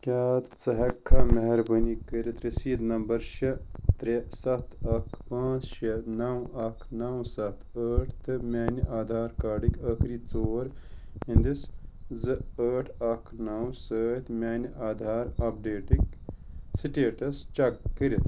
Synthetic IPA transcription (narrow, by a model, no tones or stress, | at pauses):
kʲaːt̪t͡sɐɦɐkʰːamɐɦɐɾbənikəɾit̪ɾesiːd̪nɐmbɐɾʃɐt̪ɾesɐt̪ʰɐkʰpãːt͡sʃɐnɐwɐkʰnɐwsɐt̪ʰəːʈʰt̪ɨmʲaːniʔaːd̪ʱaːɾkaːɖikəkʰɾiːt͡soːɾĩnd̪iszɨəːʈʰɐkʰnɐwsəːt̪mʲaːnʔaːd̪ʱaːɾɐp̚ɖeːʈiksiʈeːʈɐst͡ʃɐkːəɾit̪